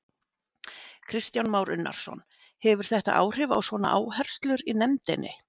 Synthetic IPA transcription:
kʰɾɪst̪janmaːwɾʔʏnːa̰ɾ̥sɔ̰n | hɛvʏɾ̥θɛht̪a̰ʔa̰ːwr̥ɪva̰wsvɔːna̰ʔaːwhɛr̥st̪lʏɾinɛmt̪ɪnʔɪ̰

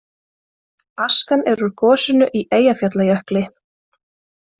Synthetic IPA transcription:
askanɛɾʏɾkʰɔːsʏnʏʔiʔeːjafjat̪lajœhklɪ

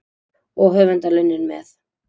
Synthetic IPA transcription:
ɔɣɦœːvɛnt̪alœnːɪnmɛ̰θ

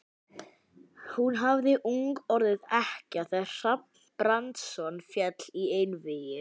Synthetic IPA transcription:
hunɦavðɪʔuŋkɔɾðɪðɛhcaθḁr̥ap̚nn̥pɾant̪sɔnfjɛt̪l̥iejnvɪjʏ

